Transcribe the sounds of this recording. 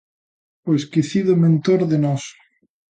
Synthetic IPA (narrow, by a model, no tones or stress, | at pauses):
oeskiθiðʊmẽnt̪oɾðenɔs